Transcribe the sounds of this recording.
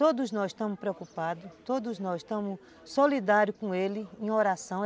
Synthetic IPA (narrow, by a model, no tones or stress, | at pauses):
t̪od̪ʊznɔzi̥ʃt̪ɐ̃mʊspɾewkupad̪ʊt̪od̪ʊznɔziʃt̪ɐ̃mʊs | solid̪aɾjʊkõelɪẽj̃oɾasɐ̃w̃